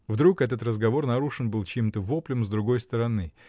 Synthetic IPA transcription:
vd̪ɾukɛt̪ət̪rəzɡɐvo̞rnɐɾuʂɨnbɨlˠt͡ɕemt̪əvoplʲɪmzd̪ɾʊɡo̞jst̪əɾɐnɨ

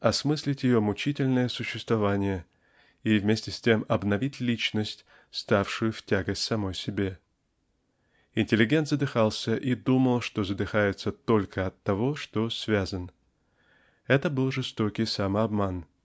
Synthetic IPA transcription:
ɐsmɨsʲlʲɪtʲjɪjo̞mʊt͡ɕitʲɪlʲnəjəsʊɕːɪst̪vɐvanʲɪjə | ivmʲesʲtʲɪsʲtʲemɐbnɐvʲitʲlʲit͡ɕnəsʲtʲ | st̪afʂʊjʊftʲaɡəsʲtʲsɐmo̞jsʲɪbʲe̞ | ɪnʲtʲɪlʲɪɡʲe̞nt̪zəd̪ɨxalˠsʲəʔid̪uməlˠʂt̪o̞zəd̪ɨxajɪt̪sət̪o̞lʲkʰəɐt̪ːɐvo̞ʂt̪o̞svʲazən | ɛt̪əbɨlˠʐɨst̪o̞kʲɪjsamɐbman

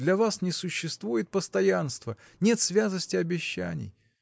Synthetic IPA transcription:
d̪lʲɐvasnʲɪsʊɕːɪst̪vujɪt̪̚pəst̪ɐjanst̪və | nʲe̞t̪svʲat̪əsʲtʲɪɐbʲɪɕːæ̰nʲɪ̰j

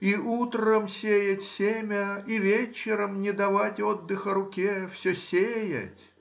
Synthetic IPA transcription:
iʔut̪ɾəmsʲejətʲsʲemʲəivʲet͡ɕːɪɾəmnʲɪd̪ɐvatʲod̪ːɨxəɾʊkʲefsʲɵsʲejə̰tʲ

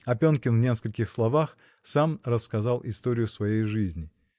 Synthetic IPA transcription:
ɐpʲonkʲɪnvnʲe̞skəlʲkʲɪxslˠɐvax | samrəskɐzalˠɪst̪o̞ɾʲɪjʊsvɐjejʐɨzʲnʲɪ

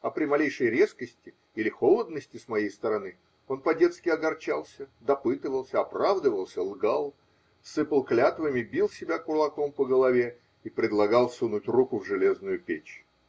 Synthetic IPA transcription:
ɐpɾʲɪmɐlʲejʂəjɾʲe̞skəsʲtʲɪ | ilʲɪxo̞lˠəd̪nəsʲtʲɪsmɐjejst̪əɾɐnɨ | o̞npɐdʲe̞t̪skʲɪɐɡɐrt͡ɕalˠsʲəd̪ɐpɨt̪ɨvəlˠsʲəɐpɾavd̪əvəlˠsʲəlˠɡalˠ | sɨpəlˠklʲat̪vəmʲɪbʲilˠsʲɪbʲakʊrlˠɐko̞mpəɡəlˠɐvʲe | ipɾʲɪd̪lˠɐɡɑlˠsunutʲrukʊvʐɨlʲe̞znʊjʊpʲet͡ɕ

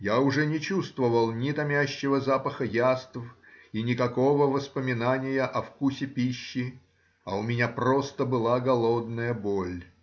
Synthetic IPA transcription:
jaʊʐɛnʲɪt͡ɕust̪vəvəlˠnʲɪt̪ɐmʲæɕːɪvəzapəxəjast̪f | inʲɪkɐko̞vəvəspəmʲɪnanʲɪjəʔɐfkusʲɪpʲiɕːɪ | ɐʊmʲɪnʲaprost̪əbɨlˠaɡɐlˠod̪nəjəbolʲ

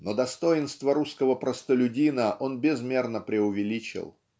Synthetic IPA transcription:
nod̪ɐst̪o̞jɪnst̪vəɾuskəvəpɾəst̪əlʲʉdʲinəʔo̞nbʲɪzmʲe̞rnəpɾʲɪʊvʲɪlʲit͡ɕɪ̰lˠ

